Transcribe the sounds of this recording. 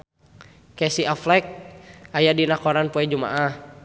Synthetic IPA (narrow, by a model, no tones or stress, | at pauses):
kɛsiaflɛk̚ajadinakɔɾanpuɛd͡ʒuma̰ʔah